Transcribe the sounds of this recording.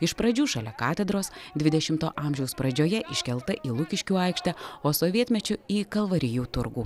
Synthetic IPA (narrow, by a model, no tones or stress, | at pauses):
ɪʃpɾɐd͡ʒʲuːʃɐlʲɛkɑːt̪ʲɛd̪ɾoːsd̪ʲʋʲɪd̪ʲɛʃʲɪmt̪o̰ːʔɑːmʲʒʲɛʊspɾɐd͡ʒʲoːjɛʔɪʃʲkʲɛlˠt̪ɐʔiːlˠʊkʲɪʃʲkʲuːɐɪkʃʲt̪ʲɛoːsoːʋʲiɛt̪ʲmʲɛt͡ʃʲʊiːkɐlˠʋɐɾʲɪjuːt̪ʊɾɡuː